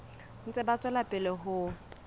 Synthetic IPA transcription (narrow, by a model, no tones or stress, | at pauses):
n̩t͡sʼɛbat͡sʼwɛlapʼɪlɛɦʊ